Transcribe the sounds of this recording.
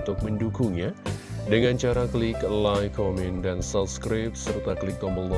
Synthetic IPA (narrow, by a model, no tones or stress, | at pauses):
t̪ʊk̚məndukuŋɲadəŋant͡ʃaɾaklɪklajkʰɔmɛndansap̚skɾɪp̚sərt̪aklɪk̚ɡɔməlɔ